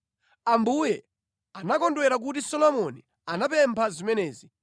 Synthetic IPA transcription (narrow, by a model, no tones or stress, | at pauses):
ambujɛ | anakɔndwɛɾak̬utisɔlɔmɔni | anapɛmpʰazimɛnɛːzi